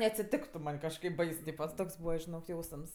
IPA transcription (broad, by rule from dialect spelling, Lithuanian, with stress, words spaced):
nʲɛɐtʲsʲɪˈtʲɪktʊ mɐnʲ kɐʃˈkɐɪp ˈbɐɪs ˈtʲiːpɐ ˈtoːks ˈbuːʋɐ ʒʲɪˈnoːk ˈjɛʊsms